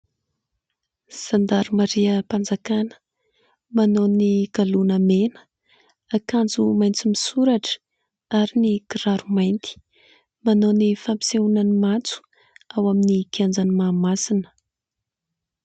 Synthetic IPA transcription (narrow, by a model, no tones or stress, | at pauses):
sand̪aɾumaɾiəpand͡zakanə̥ | manoniɡ̥alunəmenə̥ | akand͡zumajnt͡simisuɾaʈ͡ʂə̥ | aɾinikiɾaɾumajnt̪i̥ | manonifampi̥seunanimant͡su̥ | awaminikiand͡zanimaːmasinə̥